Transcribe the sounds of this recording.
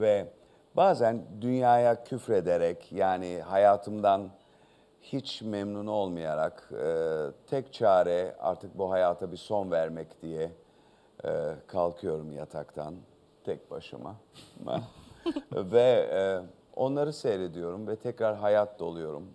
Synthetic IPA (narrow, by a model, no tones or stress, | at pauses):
vɛ | baːzænd̪ynjaːjacʰyfɾe̞d̪eɾɛcjaːnɪhajaːt̪ʰɯmd̪an | hit͡ʃmɛmnuno̞lˠmajaɾakɯːt̪ʰɛct͡ʃʰaːɾɛa̰ɾt̪ʰɯk̚buɦajaːt̪ʰabiso̞nvæɾmɛcd̪̥ijɛ | kʰalˠkʰɯjo̞ɾumja̰t̪ʰakt̪ʰa̰n | t̪ʰɛc̚ba̰ʃɯ̰ma̰ma̰ | vɛ | o̞̰nlˠaɾɯse̞jle̞d̪ijo̞ɾumvɛt̪ʰɛcɾaɾɦajat̪̚d̪olˠujo̞ɾṵm